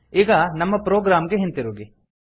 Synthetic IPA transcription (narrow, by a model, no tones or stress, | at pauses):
iːɡɐnɐmːɐpɾoːɡɾaːmɡeɦent̪iɾuːɡi